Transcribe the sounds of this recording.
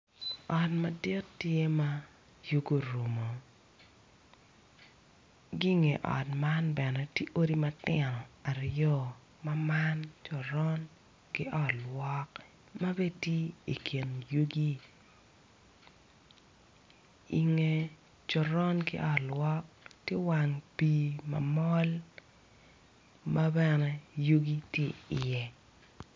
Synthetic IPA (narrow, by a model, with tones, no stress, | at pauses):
ɔ˨tma˨dɪ˦tːje˦ma˦ | ju˦ɡo˨ɾu˨mo˨ | ɡi˦ŋe˨ʔɔ̰˨tma˦nbɛ˨nɛ˨ti˦ʔo˦ɾi˦ma˦tɪ˦˨nɔ˨a˨ɾjɔ˦ | ma˦ma˦nt͡ʃɔ˨ɾɔ˦n | ɡɪ˦ʔɔ˦˨tlwɔ˦k | ma˦be˦tje˦i˨kʰi˨njo˦ɡi˦ | ḭ˨ŋe˦ | t͡ʃɔ˨ɾɔ˦nkɪ̰˦ʔɔ˦tlwɔ˦k̚ | tje˦wa˨ŋpi˨mɐ̰˨mɔ˦l | ma˦bɛnɛ˦jo˦ɡi˦tje˦ɪ˨jɛ˨